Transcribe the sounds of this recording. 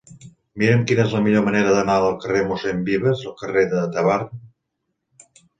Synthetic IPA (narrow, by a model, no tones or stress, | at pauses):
miɾəmkinəezləmiʎoməneɾəðənaəlˠkəremusembiβəzəlˠkəreðəd̪əβar